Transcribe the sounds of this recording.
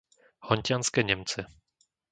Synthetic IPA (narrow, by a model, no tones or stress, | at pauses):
hɔɲcʲanskɛɲɛmt͡sɛ